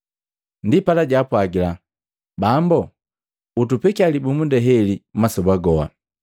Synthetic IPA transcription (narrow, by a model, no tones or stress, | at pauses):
ndipalaɟapwaɡila | bambɔ | utupɛkialibumundɛɦɛlimasɔbaɡɔha̰